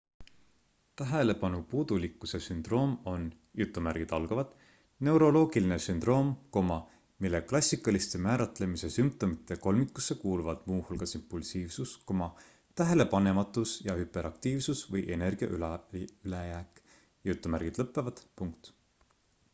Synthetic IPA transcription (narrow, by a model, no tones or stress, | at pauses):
t̪æɦele̞pɑnupuːd̪̥ulikˑːuse̞synd̪̥ro̞ːmo̞n | jut̪ːˑumæɾɡ̥id̪̥ɑlɡ̥ɑvɑd̪̥ | ne̞wɾo̞lo̞ːɡ̥iline̞synd̪̥ro̞ːmko̞mɑ | milːe̞klɑsʲːikːˑɑlist̪e̞mæːɾɑt̪ˑle̞mise̞sympt̪o̞mit̪ːˑe̞ko̞lmikːˑusːe̞kuːluvɑd̪̥muːhulɡ̥ɑsimpːˑulsiːvsuskomɑ | t̪æɦe̞le̞pɑne̞mɑt̪ːˑusjɑhype̞ɾʔɑkt̪iːvsusvɤjʔe̞ne̞rɡ̥iɑ̰ʔylɑylejæːkˑ | jut̪ːˑumærɡ̥id̪̥lɤpːˑe̞vɑd̪̥puŋkt̪